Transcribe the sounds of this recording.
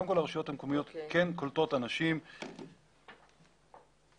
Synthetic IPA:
dmkolaʁʃujo̞t̪hamkomijo̞t̪kʰenkolt̪otanaʃim

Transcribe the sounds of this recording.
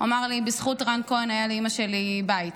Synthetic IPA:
amaʁlibisχutʁankoenajaliimaʃelibait

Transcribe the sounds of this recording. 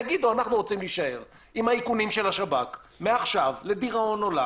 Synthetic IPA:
aɡid̪oanaχnuʁot͡simliʃae̞ʁ | imhaikunimʃe̞laʃabak | meaχʃavle̞diʁao̞no̞la

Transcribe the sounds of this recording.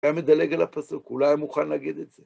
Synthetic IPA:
jamed̪aleɡalapɐsukulajmuχanlaɡid̪etz̥e

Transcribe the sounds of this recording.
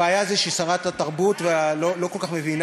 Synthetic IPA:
eajazeʃisaʁat̪at̪aʁbut̪vealolokolkaχmevin

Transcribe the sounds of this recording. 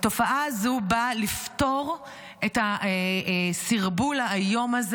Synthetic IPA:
to̞faʔazubalifto̞ʁ | eta | siʁbulajo̞maz

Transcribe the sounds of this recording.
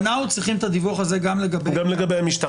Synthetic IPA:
naut͡sʁiχimt̪ad̪ivuχaze̞ɡamle̞ɡabeɡamleɡabejamiʃt̪a

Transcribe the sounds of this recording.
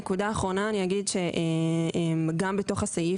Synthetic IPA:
kud̪aːχʁo̞naːniaɡidʃe̞ʔeemɡambeto̞χasaji

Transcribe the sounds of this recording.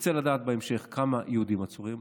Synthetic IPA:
t͡selad̪aːt̪̚beemʃe̞χkamajeud̪imat͡suʁim

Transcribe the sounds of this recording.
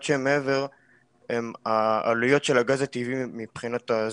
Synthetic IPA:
tʃemeeve̞ʁ | emaalujo̞t̪ʃelaɡazat̪ivimipχinat̪az

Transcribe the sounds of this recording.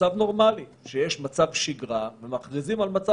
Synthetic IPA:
avno̞ʁmaliʃejeʃmat͡savʃiɡʁavemaχdizimalmat͡sa

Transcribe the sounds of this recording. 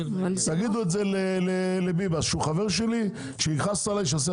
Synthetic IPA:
t̪aɡid̪uetzelelelebibasʃeuχave̞ʁʃeli | ʃeiχast̪alajʃ̬as̬e

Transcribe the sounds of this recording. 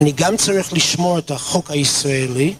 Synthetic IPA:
niɡamt͡saʁiχliʃmoethaχokhaisʁaeli

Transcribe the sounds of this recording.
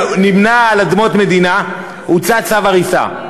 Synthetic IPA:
nimnaːlad̪mo̞t̪me̞d̪ina | ut͡sat͡savaʁisa̰

